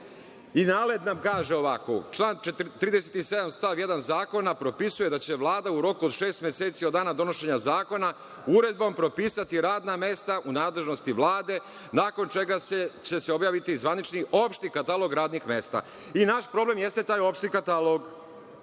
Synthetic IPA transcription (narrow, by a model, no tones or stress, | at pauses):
inaːle̞d̪namkaːʒe̞o̞ʋako̰t͡ʃlˠaːnt̪ːɾiːd̪e̞set̪ise̞d̪amst̪aʋje̞d̪anzaːko̞napɾo̞pisuje̞d̪at͡ɕe̞ʋlˠaːd̪auɾo̞kuod̪ʃe̞ːst̪mʲje̞seːt̪siod̪aːnad̪o̞no̞ʃe̞ɲazaːko̞na | uɾe̞d̪̚bo̞mpɾo̞piːsat̪iɾaːd̪name̞st̪aʔunaːd̪le̞ʒno̞st̪iʋlˠaːd̪e̞ | naːko̞nt͡ʃeɡaset͡ɕe̞seo̞bjaːʋit̪izʋanit͡ʃniʔo̞pʃt̪ikat̪alˠo̞ɡɾaːd̪nixme̞st̪a̰ | inaʃpɾo̞blemje̞st̪et̪aːjo̞pʃt̪ikat̪aloɡ